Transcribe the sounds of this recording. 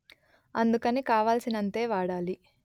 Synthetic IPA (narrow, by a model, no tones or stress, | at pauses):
ɐnd̪ukɐnikaːʋaːlsinɐnt̪e̞ːʋaːɽaːli